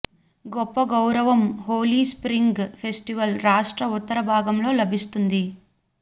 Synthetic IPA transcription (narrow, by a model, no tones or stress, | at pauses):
ɡɔpːɐɡɐwɾɐʋɐmɦoːliːspɾiŋɡpʰe̞sʈiʋɐlɾaːʂʈɾɐut̪ːɐɾɐbʱaːɡɐmlo̞ːlɐbʱist̪und̪i